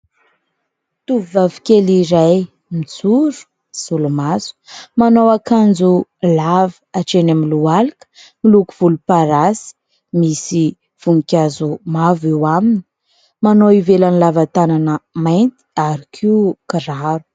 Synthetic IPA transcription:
t̪uvivavi̥kʲeliɾaj | mit͡suɾu̥ | z̥ulumazu̥manowakand͡zulavəaʈ͡ʂenamilualikə̥milukuv̥ulupaɾasi̥ | misi | v̥uŋikʲazumavewamini̥ | manoivelanilavat̪ananəmajnt̪i̥aɾikʰikraɾu̥

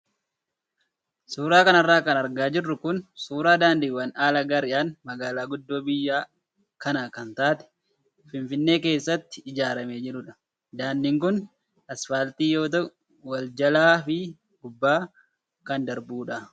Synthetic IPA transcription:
suːɾaːkɐnɐrːaːkɐnɐɾɡaːd͡ʒɪrːʊkʊnsuːɾaːd̪aːnd̪ɪːwɐnaːlɐɡɐɾɪjaːnmɐɡaːlaːɡʊd̪ːo̞ːbɪjːaː | kɐnɐkɐnt̪aːt̪ɛ̥ | fɪnfɪnːe̞ːke̞ːsːɐt̪ːɪɪd͡ʒaːɾɐmeːd͡ʒɪɾʊᶑɐ̥ | d̪aːnd̪ɪŋkʊn | ʔɐsfaːlt̪iːjo̞ːt̪̬ɐ | wɐld͡ʒɐlaːfɪ | ɡʊbːaː | kɐnd̪ɐɾbuːᶑɐ

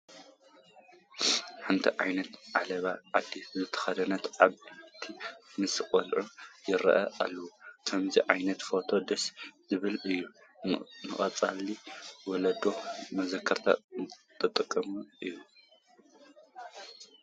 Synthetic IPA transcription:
ħɨnt̪ʰiʕajnɐt̪ʕalɐβaʕad̪ːizɨt̪ʰɐ̥xɐd̪ɐnɐt̪aβt̪ʰimɨsɨkʼɔlʕujɪɾɐ̰ʔɐ̰ʔa̰lːɐwukʰɐmziʕajnɐt̪fo̞t̪ʰo̞d̪ɐszɨβɨlɨjːu | nɨχʼɐ̰t͡sʼaliwɔlɐd̪o̞mɐzɐkʰːɐɾt̪ʰa̰t̪ʼɨt̪ʼɨkʼːɐmuʔɨjːu

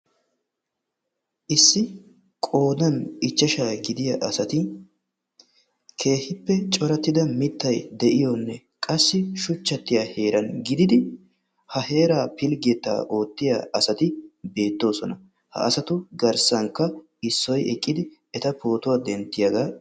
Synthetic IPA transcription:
ʔɪsːɪ | kʼo̞ːd̪ɐnɪt͡ʃːɐʃaːɡɪd̪ɪjaʔɐsɐt̪ɪ | kʰe̞ːhɪpːɛt͡ʃʼɔɾɐt̪ːɪd̪ɐmɪt̪ːɐjd̪ɛʔɪjɔnːɛ | kʼɐsːɪʃʊt͡ʃːɐt̪ːɪjaːhe̞ːɾɐnɡɪd̪ɪd̪ɪ | hɐhe̞ːɾaːpɪlɡɛt̪ːa̰ːʔo̞ːt̪ːɪja̰ːɐsɐt̪ɪbe̞ːt̪ːo̞ːsɔnɐ | hɐ̰ːsɐt̪ʊɡɐɾsɐŋkːɐ | ɪsːɔjɛkʼːɪd̪ɪ | ɛt̪ɐpo̞ːt̪ʊwaːd̪ɛnt̪ːɪjɐɡaː

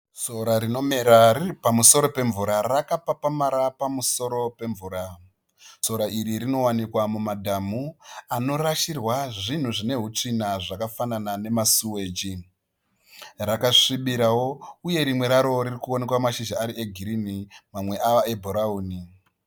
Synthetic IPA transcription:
so̞ɾaɾino̞meɾariipamuso̞ɾo̞pe̞ɱvuɾarakapapamaɾapamuso̞ɾo̞pe̞ɱvuːɾa | so̞ɾaʔiɾiɾino̞wanikwamumadʱamuano̞raʃirwaʐin̤uʐine̞ɦut͡ʂinaʐakafananane̞masuwe̞ːd͡ʒi | rakaʂiɓiɾawo̞uje̞ɾimwe̞ɾaɾo̞ɾirikuone̞kwamaʃiʒaːɾieɡʱiɾinimamwe̞ʔaʋae̞bʱoɾauːni

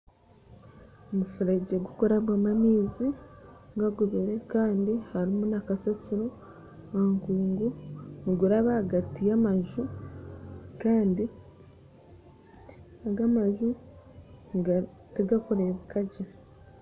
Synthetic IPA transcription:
omufuɾeɟeɡukuɾaβwaːmamiːziɡaɡuβiɾe̞kaːndihaɾimunakasesiɾo | aŋkuːŋɡuniɡuɾaβaaɡatijamaʒu | kaːndi | aɡamaʒu | ɡ | tiɡakoɾeβukaɟa

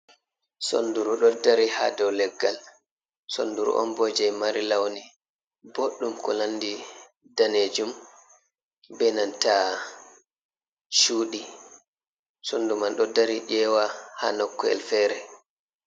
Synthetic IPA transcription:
so̰nduɾuɗɔdaɾiha̰dɔwlɛɡːal | so̰nduɾṵʔɔ̰nbɔd͡ʒɛjmaɾilawni | boɗːumkɔlandi | daned͡ʒum | bɛnanta | ʃuːɗi | sondumanɗɔdaɾid͡ʒɛːwaha̰nɔkːɔɛ̰lfɛɾɛ

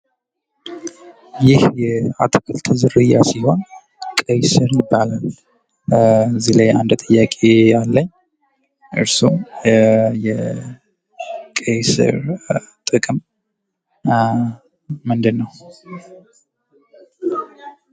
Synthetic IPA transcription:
jɪhjɛa̰t̪ʰɨkʰəlt̪ʰɨzɨɾɨja̰siho̞n | kʼəjsɨɾjɪbːalal | zilajʔand̪t̪ʼɨjːakʼejalːəɲː | ʔɨ̰ɾsu | jɛ | kʼəjsɨ̰ɾt̪ʼɨkʼɨm | ɨnd̪ɨnːəw

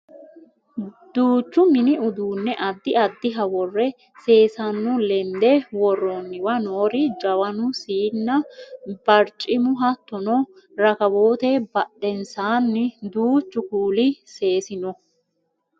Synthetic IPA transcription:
d̪̥uːt͡ʃːʊmɪnɪʊd̪uːnːɛʔɐd̪ːɪɐd̪ːɪɦɐwɔrːɛ | se̞ːsɐnːɔlɛnd̪ɛwɔrːonːɪwɐnoːɾɪd͡ʒɐwɐnʊsiːnːɐbɐɾt͡ʃʼɪmʊɦɐt̪ːɔnɔ | ɾɐkɐbo̞ːt̪ɛbɐɗɛnsaːnːɪd̪uːt͡ʃːʊkuːlɪse̞ːsɪnɔ

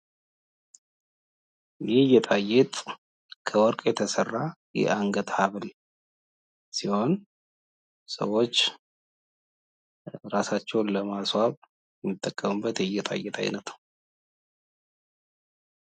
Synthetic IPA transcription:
jɪhjɛt̪ʼajːɛt̪ʼ | kʰəwɔɾkʼjɛt̪ʰəsərːajɛ̰ʔaŋɡət̪haβl | siho̞n | sə̰wo̞t͡ʃː | ɾasat͡ʃːɛwnləmaswaβ | jɛmːit̪ʼːəkʼːəmɨbːət̪ɪjːɛt̪ʼa̰jːɛt̪ʰʼa̰jnət̪

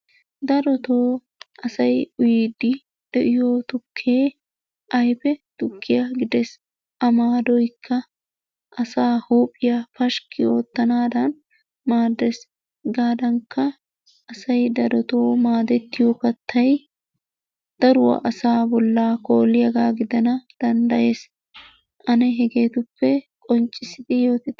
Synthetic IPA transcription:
d̪ɐɾɔt̪oː | ʔɐsɐjʊjiːd̪ɪ | d̪̥ɛʔɪjoːt̪ʊkʰːeː | ʔɐjpɛt̪ʊkʰːɪjaɡɪd̪ɛs | ʔɐmaːd̪ɔjkʰːɐ | ʔɐsaːhuːpʼːɪjafɐʃkɪo̞ːt̪ːɐnaːd̪ɐn | maːd̪ːɛs | ɡaːd̪ɐŋkːɐ | ʔɐsɐjd̪ɐd̪ɔt̪oːmaːd̪ɛt̪ːɪjɔkɐt̪ːɐj | d̪̥ɐɾʊwɐ̰ʔɐsaːbɔlːaːko̞ːlɪjɐɡaːɡɪd̪ɐnɐd̪̥ɐnd̪ɐje̞ːs | ʔɐnɛɦɛɡe̞ːt̪ʊpːɛkʼɔnt͡ʃʼːɪsɪd̪ɪjo̞ːt̪ɪ

